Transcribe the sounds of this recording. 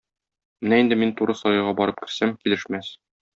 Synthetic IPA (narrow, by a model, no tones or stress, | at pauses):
mɘnæind̪ɘmint̪uɾɤsɒjɤ̆ʁɑbɒɾɤp̚kɘ̆ɾsæmkilɘ̆ʃmæs